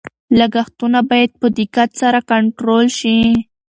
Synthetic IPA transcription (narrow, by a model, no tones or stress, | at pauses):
laɡaxt̪unabɑjad̪̚pəd̪ɪkat̪saɾakaɳʈɾolʃi